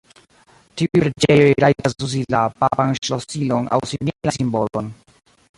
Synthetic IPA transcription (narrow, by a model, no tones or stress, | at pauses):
tiujpɾed͡ʒe̞jo̞jɾajtasus̬ilapapanʃlosilo̞na̰wsiminlasimbolon